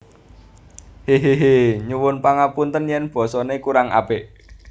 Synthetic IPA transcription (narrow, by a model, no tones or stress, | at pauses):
heɦeɦeɲuwʊnpaŋapunt̪ənjɛnb̥ɔ̤sɔnekuɾaŋa̰beʔ